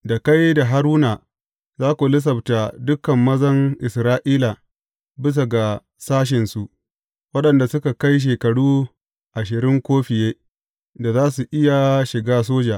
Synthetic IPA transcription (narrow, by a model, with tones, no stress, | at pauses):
da˨ka˦jda˨ɦa˦ɾuː˦na˨ | zaː˦kʷu˨lɪ˦s̬ɐ˨bta˨dʊ˦kɐ˨mːɐ˦zɐ˦ŋʔɪ˨sɾaː˦ʔiː˦la˨ | bɪ˦s̬a˨ɡa˨ | saː˦ʃ̬ɪ˨nsu˨ʔ | wɐ˦ɗɐ˨nda˨sʊ˦ka˨ka˦jʃ̬eː˨kɐ˨ɽuː˦ | ʔa˨ʃ̬ɪ˨ɾɪ˦ŋkʷoː˦ɸɪ˨jeː˦ | da˨zaː˦su˨ʔɪ˦ja˨ʃɪ˨ɡaː˦s̬oː˦d͡ʒaː˨ʔ